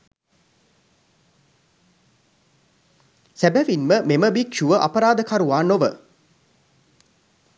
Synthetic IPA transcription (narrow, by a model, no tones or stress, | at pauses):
sæbæʋinməmeməbikʃuʋəʔa̰pəɾaːd̪əkaɾuʋaːnoʋə